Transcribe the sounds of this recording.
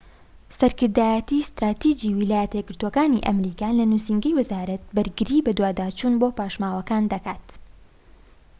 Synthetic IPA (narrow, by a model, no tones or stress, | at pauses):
sɐɾkɨɾd̪aːjɛt̪iːst̪ɾaːt̪id͡ʒiːwilaːjɛt̪ɐɛɡɨɾt̪oɔkaːniʔɐ̰mɾiːkaːlɐnusiːŋɡɐjwɐzaːɾɐt̪̚bɐɾɡɨɾiːbɐd̪waːd̪aːt͡ʃuːnboːpaːʃmaːwɐkaːnd̪ɐkaːt̪